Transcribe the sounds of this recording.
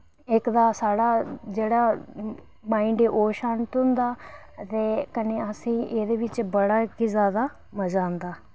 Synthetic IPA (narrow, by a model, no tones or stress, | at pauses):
ɪkd̪aːsaːɽaːd͡ʒeːɽaː | maːɪɳɖeːʔoːʃaːnt̪ʊ̃nd̪aː | t̪eːkəneːəsĩːʔeːd̪eːʋɪt͡ʃbəɽaːkɪzaːd̪aː | məd͡ʒãːnd̪aː